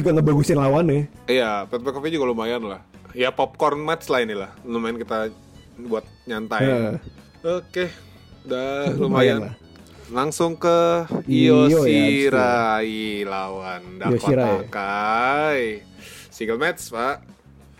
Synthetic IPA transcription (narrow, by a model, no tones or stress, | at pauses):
d͡ʒuɡaŋəbaɡusɪnlawanɛijapɛt̪̚pɛkɔfid͡ʒuɡalumajanlahjapɔp̚kɔrnmɛt̪slainilahlomaɪnkit̪a | buat̪̚ɲant̪aə | oke | dalumajaanl | laŋsʊŋkəiooiɾailawandaosiɾaka | j | siɡəlmɛt̪spaʔ